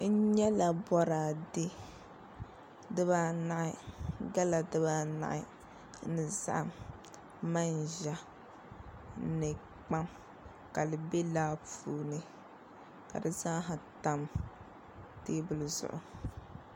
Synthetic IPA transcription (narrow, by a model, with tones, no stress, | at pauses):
n̩˦ɲɛ˦la˨bɔ˦ɾaː˨dɪ˦ | dɨ˦ba˦na˦ʔɪ˦˨ɡa˦la˨dɨ˦baː˦na̰˦ʔɪ̰˦ | nɨ˨za̰˦ʔa˨m | ma˦n˨ʒa˦ | nɨ˨ | k͡pa˦m | ka˨lɨ˨be˦laː˦fuː˦nɨ˦ | ka̰˨dɨ˨zaː˦ɦa˨ta˦m | teː˦bʊ˦˨lɨ˨zʊ̰˨ʔʊ̰˨